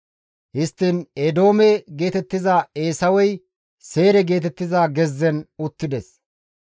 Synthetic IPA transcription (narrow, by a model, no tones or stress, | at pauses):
hɪst̪ːined̪o̞ːmɛɡe̞ːt̪ɛt̪ːɪzaːe̞ːsɐwɔj | se̞ːɾɛɡe̞ːt̪ɛt̪ːɪzaːɡɛzːɛnʊt̪ːɪd̪ɛs